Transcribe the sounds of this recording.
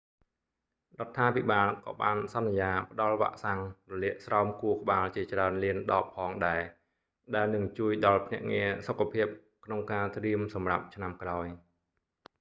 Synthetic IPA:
rŏət̪ʰːaːpiɓaːlkɑ̰ːɓaːnsɑnːjaːpə̆ɗɑlʋa̰ʔsaŋrɔliəʔsraɔmkuəkə̆ɓaːlt͡ɕiət͡ɕraənliənɗɑːpʰːɑːŋɗaɛ | ɗaɛlnɨŋt͡ɕuəjɗɑlpʰnɛ̆əʔŋiəsokʰːapʰiəp̚ | kʰnoŋkaːt̪riəmsɑmra̰p̚t͡ɕʰnamkraɔj

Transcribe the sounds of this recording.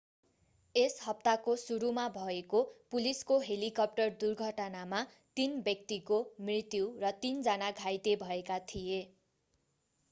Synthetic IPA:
esɦʌp̚t̪akosuɾumabʱʌekopuliskoɦelikʌp̚ʈʌrd̪urɡʱʌʈʌnama | t̪inbjʌk̚t̪ikomrit̪juwrʌt̪ind͡zʌnaɡʱajt̪ebʱʌekat̪ʰije

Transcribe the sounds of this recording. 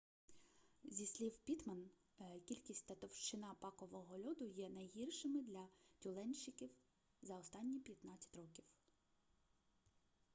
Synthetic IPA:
zʲisʲlʲiwpʲit̪mɐn | kʲilʲkʲisʲt̪ɐt̪ɔwʃt͡ʃɪnɑpɑkɔʋɔɦɔlʲɔd̪ʊjɛnɐjɦirʃɪmɪd̪lʲɐtʲulˠɛnʲʃɪkʲiw | zɐɔst̪ɑnʲːipʲjɐt̪nɑt͡sʲːɐ̥tʲrɔkʲiw

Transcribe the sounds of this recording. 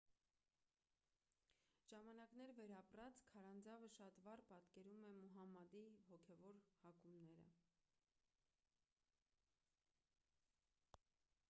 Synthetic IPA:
ʒ̥ɑmɑnɑknɛɾvɛɾɑprɑt͡skʰɑɾɑnd͡zɑvəʃɑt̪vɑrpɑt̪kɛɾumɛmuɦɑmɑd̪iɦɔkʰɛvɔɾhɑkumnɛɾə̰

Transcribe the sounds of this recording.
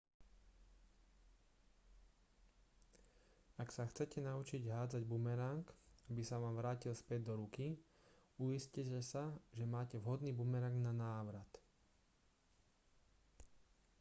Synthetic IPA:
aksaxt͡sɛcɛnaut͡ʃiɟɦaːd͡zaɟbumɛɾaŋkabisaʋaːmʋɾaːcilspɛd̚d̪ɔɾuki | uiscɛcɛsaʒɛmaːcɛʋɦɔd̪niːbumɛɾaŋɡnanaːʋɾat̪

